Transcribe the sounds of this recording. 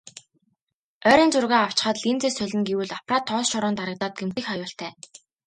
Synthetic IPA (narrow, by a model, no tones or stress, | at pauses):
œːɾʲiːnt͡sʊrɣaːaw̥t͡ɕɪ̥̆χə̆ːt̪ɮint͡seːsœɮʲɪ̆ŋɡiwɘːɮapʰraːt̪ʰːɔːsʃɔɾɔːnt̪aɾə̆k̚t̪aːt̪̚ɡemt̪iːxχɔjʊːɬt̪ʰæː